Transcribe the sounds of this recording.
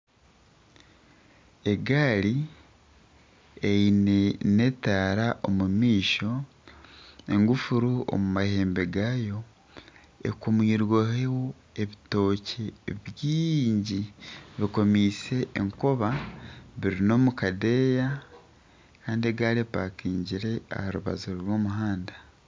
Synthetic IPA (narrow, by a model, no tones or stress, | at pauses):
e̞ɡaːli | einene̞taːɾaʔomumiːʃo̞ | e̞ŋɡufuɾuo̰mumahe̞ːmbe̞ɡaːjo̞ | ḛkumwiːɾwohewo | eβito̞cʰeβjiːɲɟiβiko̞miːse̞ʔːŋkoβaβiɾino̞ːmukade̞ːja | kaːndieɡaːɾepaːkiːɲɟiɾe̞a̰haɾuβa̰zuɾɾwo̞ːmuɦaːnda